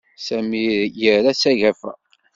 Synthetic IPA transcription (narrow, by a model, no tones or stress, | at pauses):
sæmijəɾæsæʝæfæ̰